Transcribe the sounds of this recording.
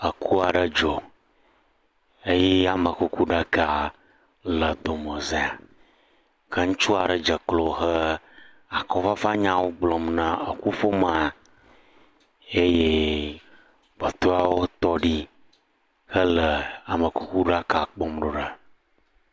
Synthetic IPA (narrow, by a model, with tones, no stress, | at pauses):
ə˨kʰu˦a˨ɖə˦d͡ʒɔ˨ | e˦jɛ˦a˨mə˨ku˦ku˦ɖa˦ka˦˨ | lə˨d̪o˨mə˨ze˨a˨ | kə˦ŋ̩̃˦t͡ʃu˦a˨ɖə˨d͡ʒə˨klo˨xə˦ | a˨kɔ˦fa˦fa˦ɲã˦wo˦ɡ͡blɔ˨mnã˨ə˨ku˦fo˦ma˨a˨ | e˦je˦ | bo˨t̪o˦a˦wo˦t̪ɔ˦ɖi˦ | xə˦lə˨a˨mə˨ku˦ku˦ɖa˦ka˨k͡pɔ˦mɖo˨ɖa˨